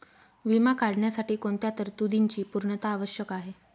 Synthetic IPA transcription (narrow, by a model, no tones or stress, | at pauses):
ʋimakaɽɳjasaʈiːkoɳt̪jat̪əɾt̪ud̪ʱiɲt͡ɕiːpuɾɳət̪aːʋəɕjəkaɦe